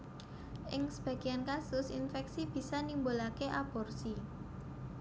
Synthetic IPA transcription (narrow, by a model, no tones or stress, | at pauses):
ʔɪŋsə̥b̥ä̤ɡ̥i̤ankasʊsḭnfɛksib̥i̤sanimbolakeʔab̥ɔ̤rsi